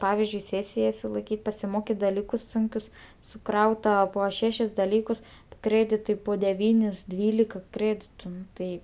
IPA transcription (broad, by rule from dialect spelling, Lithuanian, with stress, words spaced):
ˈpɑːʋʲɪzʲd͡ʒʲʊɪ ˈsʲeːsʲɪjɛ ɪʃʲsʲɪlˠɐɪˈkʲiːtʲ pɐsʲɪˈmoːkʲɪt dɐˈlʲiːkʊs ˈsʊŋʲkʲʊs sʊˈkrɐʊtɐ ˈpoː ˈʃʲæːʃʲɪs dɐˈlʲiːkʊs ˈkrʲeːdʲɪtɐɪ poː dʲɛˈʋʲiːnʲɪs ˈdʲʋʲiːlʲɪkɐ ˈkrʲeːdʲɪtʊ ˈnʊ tɐɪ